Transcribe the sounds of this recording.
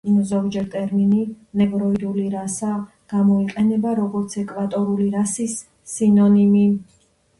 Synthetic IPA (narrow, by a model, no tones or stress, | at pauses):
mzɔɡd͡ʒɛɾt̪ʼɛɾmini | nɛvɾɔid̪uliɾasa | ɡ̥amɔiqʼɛnɛbaɾɔɡɔɾt̪sʰɛkʼvat̪ʼɔɾuliɾasisː | inɔnimi